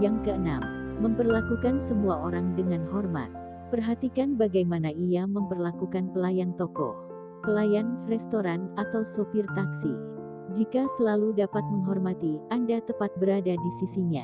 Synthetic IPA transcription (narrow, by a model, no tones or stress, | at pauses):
jaŋkəənamːəmpərlakukansəmuaoɾaŋdəŋanɦɔrma̰t̪̚ | pərɦat̪ikanbaɡajmanaiaməmpərlakukanpəlajant̪okɔ̰ | pəlajanrɛst̪oɾanat̪awsopirt̪aksi | d͡ʒikasəlaludapat̪̚məŋɦɔrmat̪iandat̪əpat̪̚bəɾadadisisiɲa̰